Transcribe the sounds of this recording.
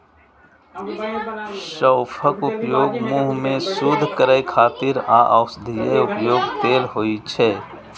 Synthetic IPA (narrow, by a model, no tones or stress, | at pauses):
ʃəːpʰəkʊpjoːɡmuɦmẽsud̪ʱkəɾəjkʰaːt̪ɪɾa̰ːʔəʊsd̪ʱijəʊpjoːɡt̪eːlɦoːit͡ʃʰɛː